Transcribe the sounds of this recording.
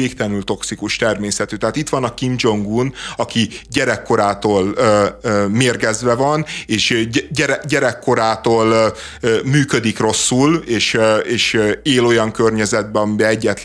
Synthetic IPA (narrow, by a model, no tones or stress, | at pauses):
eːkt̪ɛnylt̪o̞ksikuʃt̪ɛrmeːsɛt̪yːt̪ɛɦaːt̪it̪ʋɒnɒkimd͡ʒo̞ŋɡuːnɒkiɟɛɾɛkːo̞ɾaːt̪oːlømeːrɡɛzʋɛvɒneːʃɟɛɾɛɟɛɾɛkːo̞ɾaːt̪oːlː | myːkød̪ikro̞sːuleːʃeːʃeːlo̞jɒŋkørɲɛzɛd̪̚bɛɒmibɛɛɟːɛt̪